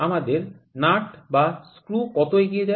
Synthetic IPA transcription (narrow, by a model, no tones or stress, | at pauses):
amad̪eɾ | naʈbaskɾukɔt̪oeɡijed͡ʑa